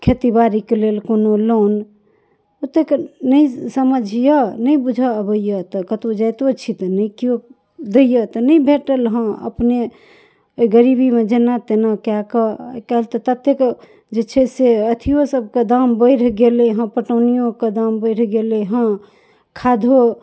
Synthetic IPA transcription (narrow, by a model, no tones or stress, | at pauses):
kʰet̪ibaɾikelelkonolon | ot̪ːeknəĩsəməd͡ʒʱijənəĩbud͡ʒʱəəbəjjət̪əkət̪od͡ʒajt̪oət͡ʃʰit̪ənəikio | d̪ejət̪ənəĩbʱeʈəlɦə̃ə̰pne | ɡəɾibimed͡ʒenat̪enakjakəkəɦlt̪ət̪ət̪ːek | d͡ʒet͡ʃʰɛseət̪ʰijosəb̚ʱked̪ambəɪɾɡeleɦə̃pəʈənijõked̪ambəɪɾɡeleɦə̃ | kʰad̪ʱo